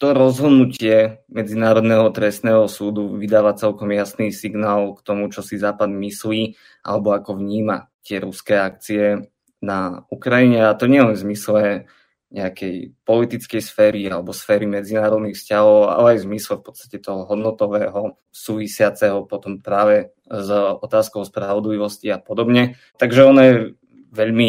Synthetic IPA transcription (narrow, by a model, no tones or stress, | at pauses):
t̪ɔɾɔzɦɔd̪nucɪɛmɛd͡zinaːɾɔd̪nɛɦɔt̪ɾɛst̪nɛːɦɔsuːd̪uʋid̪aːʋat͡sɛlkɔmjasniːsiɡnaːlkt̪ɔmut͡ʃɔsizaːpad̪misliː | ʔa̰lɛbɔakɔvɲiːmat̪ɪɛɾuskɛːak̚t͡siɛ | naukɾaiɲɛat̪ɔɲɛɛzmislɛ | ɲɛakɛjpɔlit̪it͡skɛjsfɛːɾialɛbɔsfɛːɾimɛd͡zinaːɾɔd̪nixfscaɦɔʊa̰lɛajzmislɛfpɔ̥t͡sst̪acɛt̪ɔɦɔɦɔd̪nɔt̪ɔʋɛːɦɔ | suːʋisɪat͡sɛɦɔpɔt̪ɔmpɾaːʋɛ | zɔt̪aːskɔʊspɾaʋɔd̪liʋɔsciapɔd̪ɔbɲɛ | t̪aɡʒɛɔnɔjɛ | ʋɛʎmi